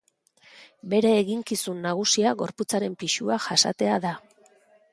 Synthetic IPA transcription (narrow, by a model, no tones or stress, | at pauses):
be̞ɾeːɣiŋkisunːaɣ̞usiaɣo̞ɾput͡saɾe̞mpiʃuaʝasa̰t̪e̞aða